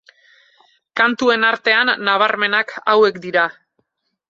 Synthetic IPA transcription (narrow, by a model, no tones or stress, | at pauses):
kant̪ue̞naɾt̪e̞anːaβ̞aɾme̞nakʰawe̞kd̪iɾa